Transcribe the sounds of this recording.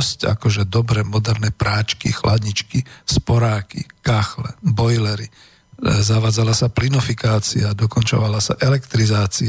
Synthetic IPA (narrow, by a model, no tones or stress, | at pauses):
sca̰kɔʒɛd̪ɔbɾɛːmɔd̪ɛɾnɛpɾaːt͡ʃkḭxlad̪ɲit͡ʃkispɔɾaːkḭkaxlɛ̰bɔjlɛɾi | zaʋaːd͡zalasaplinɔfikaːt͡siaːd̪ɔkɔnt͡ʃɔʋalasa̰ʔɛlɛkt̪ɾizaːt͡si